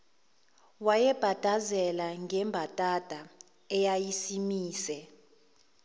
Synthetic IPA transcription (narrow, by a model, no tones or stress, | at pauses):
wajɛb̥ʱad̥ʱazɛlaŋɡɛmbʱatʼad̥ʱa | ɛjajisimiːsɛ